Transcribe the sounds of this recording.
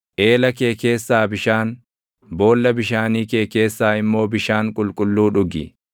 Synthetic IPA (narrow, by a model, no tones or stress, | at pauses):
ʔe̞ːlɐke̞ːke̞ːsːaːbɪʃaːn | bo̞ːlːɐbɪʃaːniːke̞ːke̞ːsːaːɪmːo̞ːbɪʃaːŋkʼʊlkʼʊlːuːᶑʊɡɪ̰